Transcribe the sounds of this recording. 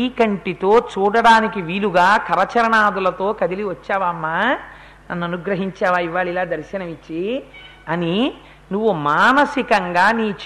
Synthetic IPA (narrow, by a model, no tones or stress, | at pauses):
iːkɐɳʈit̪o̞ːt͡ʃuːɽɐɽaːnikiʋiːluɡaːkɐɾɐt͡ʃɐɾɐɳaːd̪ulɐt̪o̞ːkɐd̪iliʋɐt͡ʃːaːʋaːɐmːaː | nɐnːuɐnuɡɾɐɦiɲt͡ʃaːʋaːiʋaːɭilaːd̪ɐɾʃɐnɐʋit͡ʃːi | ɐni | nuʋːumaːnɐsikɐŋɡaːniːt͡ʃ